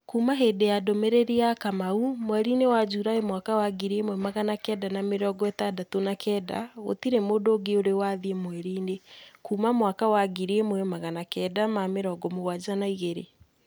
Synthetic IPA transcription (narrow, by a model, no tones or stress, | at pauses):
kuːmaɦedejadɔmeɾeɾiakamaumwɛɾiːnewad͡ʒuɾaemwakawaɡiɾiemwɛmaɣanakɛːdanameɾɔɡɔɛtadatonakʰɛːda̰o̰tiɾemodoːɡeoɾewaðiemwɛɾiːnekuːmamwakawaɡiɾiemwɛmaɣanakɛːdamameɾɔːɡɔmoɣwad͡ʑanaiɣeɾḛ